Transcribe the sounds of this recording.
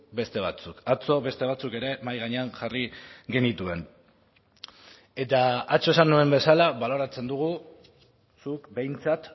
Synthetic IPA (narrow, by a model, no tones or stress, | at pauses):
be̞st̪e̞β̞at͡sukat͡so̞βe̞st̪e̞β̞at͡suke̞ɾe̞majɣaɲe̞anʝariɣe̞nit̪ue̞n | e̞t̪aat͡so̞e̞sanue̞mbe̞salaβalo̞ɾat͡se̞nd̪uɣ̞u | sukbe̞jnt͡sat̪